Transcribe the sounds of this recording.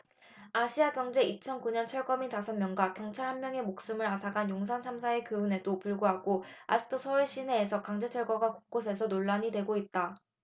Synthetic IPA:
aɕʰiaɡjʌŋd͡ʑe̞it͡ɕʰʌnkuɲʌnt͡ɕʰʌɭɡʌmitasʰʌmjʌŋɡwakjʌŋt͡ɕʰaɭhanmjʌŋe̞mok̚s͈ɯmɯɾasʰaɡanjoŋsʰant͡ɕʰamsʰae̞kɯune̞dopuɭɡuɦaɡoa̰d͡ʑɯk̚t͈ʰosʰʌuɭɕ͈ine̞ːsʰʌkaŋd͡ʑe̞t͡ɕʰʌɭɡwaɡwako̥k͈osʰe̞sʰʌnoɭːaɲidwe̞ɡoit̚t͈a

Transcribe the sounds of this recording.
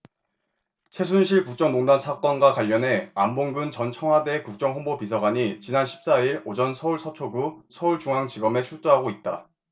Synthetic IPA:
t͡ɕʰe̞s̬ʰunɕʰiɭkuk̚t͡ɕ͈ʌŋmoŋdansʰak͈ʌnɡwakwaʎːʌne̞amboŋɡɯnt͡ɕʌnt͡ɕʰʌŋwade̞kuk̚t͡ɕ͈ʌŋɦonbopisʰʌɡaɲit͡ɕinanɕʰi̥p̚s͈aiɾod͡ʑʌnsʰʌuɭsʰʌt͡ɕʰoɡusʰʌuɭt͡ɕuŋaŋt͡ɕiɡʌmet͡ɕʰuɭt͈oɦaɡoit̚t͈a̰

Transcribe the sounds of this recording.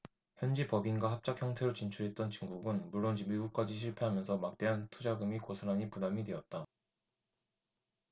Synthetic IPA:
çjʌnd͡ʑipʌbinɡwahap̚t͡ɕ͈ak̚çjʌŋtʰe̞ɾot͡ɕint͡ɕʰuɾɦe̞t̚t͈ʌnt͡ɕiŋɡuɡɯnmuɭːond͡ʑimiɡuk̚k͈ad͡ʑiɕ̬ʰiɭpʰeɦamjʌnsʰʌmak̚t͈e̞ɦantʰud͡ʑaɡɯmikosʰanaɲipunamidwe̞ʌt̚t͈a

